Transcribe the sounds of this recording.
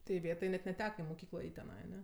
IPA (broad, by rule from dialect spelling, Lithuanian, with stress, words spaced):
tɐɪ ɪˈʋʲeːtɐɪ nʲɛt nʲɛˈtʲæːkɐ iː moːˈkʲiːklˠɑː ˈɛɪtʲ tʲɛˈnɐɪ ɐˈnʲɛ